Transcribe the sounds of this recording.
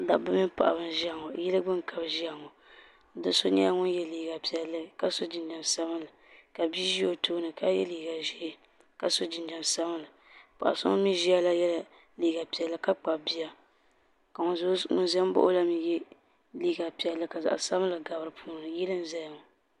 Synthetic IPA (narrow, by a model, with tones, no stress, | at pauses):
da˨bɨ˦mi˦pa̰˨ʔa̰˨bɨ˦n˦ʒi˦a˨ŋɔ˨jɛ˦lɨ˦ɡ͡bɨ˦ŋkʰa˨bʒi˦a˨ŋɔ˨ | dɨ˦so˦nɛ̰˦a˦ŋʊ˦n˦jɛ˦liː˨ɡa˨pi˨ɛ˨lːɨ˦ka˦so˦d͡ʒi˨nda˨nsa˦bɨ˦lɨ˨ | ka˨bi˦ʒi˦o˨toː˦nɨ˨ka˦jɛ̰˦liː˨ɡa˨ʒi˦ | ka˨so˦d͡ʒi˨nda˨nsa˦bɨ˦lɨ˨ | pa̰˨ʔa̰˨so̰˦ŋ˦mi˦ʒi˦a˦la˦jɛ˦la˨ | liː˨˦˨ɡa˨pi˨ɛ˨lːɨ˦ka˦k͡pa˨bi˦ja˦ | ka˨˦ŋʊ̰˨nzɛ˦m˦bo̰˦ʔo˦la˦mi˨jɛ˦ | liː˦ɡa˨pi˨ɛ˨lːɨ˦ka˨za̰˨ʔa̰˨sa˦bɨ˦lɨ˨ɡa˨bɾɨ˨pʰuː˦˨nɨ˨jɛ˦lɨ˦n˦zɛ˦ja˨ŋɔ˨